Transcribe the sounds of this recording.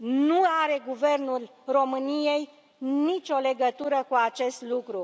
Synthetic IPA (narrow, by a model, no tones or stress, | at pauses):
nuaɾe̞ɡuve̞rnulro̞mɨnije̞j | nit͡ʃʲo̞le̞ɡət̪uɾəkuat͡ʃe̞st̪lukɾu